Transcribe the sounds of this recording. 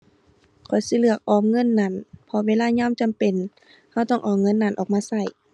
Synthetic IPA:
kʰɔ˨˩jsi˧˦lɯ˧˩ək̚ʔɔː˧˩mŋɤ˧˥˨nːa˧˩˨npʰɔ˧weː˧˥˨laː˧˥˨ɲɔː˧˥˨mt͡ɕa˨mpe˨n | ha˧˩wt̪ɔː˧˥˩ŋʔɔː˨˩ŋŋɤ˧˥˨nːa˧˨nʔɔː˨k̚maː˧˨sa˧˩˨j

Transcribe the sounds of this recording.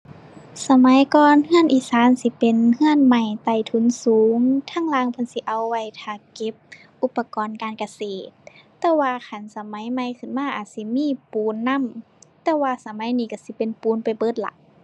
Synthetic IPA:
sa˧ma˨˦jkɔː˧nhɯ˧˥ənʔiː˧˩saː˨˦˥nsi˧˦pe˨nhɯ˧˥ənma˧˩jt̪a˧˩jt̪ʰu˧˦nsuː˨˦ŋt̪ʰaː˧˥˨ŋlaː˧˨ŋpʰa˧˥˨nsi˧˦ʔa˧wːa˧˩jt̪ʰaː˧˩ke˧˦p̚ | ʔu˧˦pːa˧kɔː˨nkaː˨nka˧seː˨˩t̪̚ː | ɛː˧waː˧kʰa˧˨nsa˧ma˨˦jma˧˨jkʰɯ˧˩˨nmaː˧˥˨ʔa̰ː˨˩t̪̚si˧˦miː˧˥˨puː˨˦nːa˧˥˨m | t̪ɛː˧waː˧sa˧ma˨˦jniː˧ka˧˩si˧˦pe˨npuː˨˦npa˨jbɤː˧˥˩t̪̚la̰˧˦ʔ

